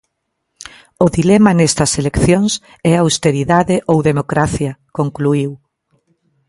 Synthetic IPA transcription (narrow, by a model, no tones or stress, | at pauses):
ʊðilɛmɐnɛst̪ɐselekθjoŋs | ɛawst̪eɾiðaðɪʔowðemokɾaθjɐkoŋkluiw